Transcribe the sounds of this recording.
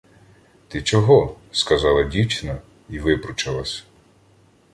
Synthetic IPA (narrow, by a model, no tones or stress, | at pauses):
t̪ɪt͡ʃɔɦɔ | skɐzɑlˠɐdʲiwt͡ʃnɐ | iʋɪpɾʊt͡ʃɐlˠɐsʲ